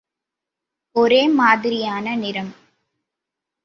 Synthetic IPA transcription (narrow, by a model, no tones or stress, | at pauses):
ɔɾeːmaːðɪɾɪjaːnɐnɪɾɐm